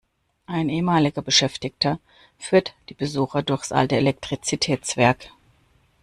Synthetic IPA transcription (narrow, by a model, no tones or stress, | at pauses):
ʔaɪnʔeːəmaːlɪɡɐbəʃɛftɪktʰɐ | fyːɐtd̥iːbəzuːxɐdʊɐçsʔa̰ltəelɛk̚tʁ̥it͡sitʰɛːt͡sv̥ɛɐk